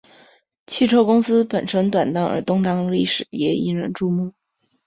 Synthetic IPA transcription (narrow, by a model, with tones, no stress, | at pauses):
t͡ɕʰi˥˩ʈ͡ʂʰo˥ʊkʊ˥ŋsɹ̩˥pə˨˩nʈ͡ʂʰə˧˥ŋt̪wa˨˩nt̪ɑ˥˩ŋə̰˞˧˥t̪ʊ˥ŋt̪ɑ˥ŋli˥˩ʂɻ̩˨˩jɛ˧˥ḭ˥nɻə̰˧˥nʈ͡ʂu˥˧mu˥˩